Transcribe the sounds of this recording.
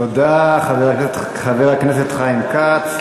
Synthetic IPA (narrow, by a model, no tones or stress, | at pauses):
od̪aχaveʁat | χaveʁakneset̪χaimkat͡s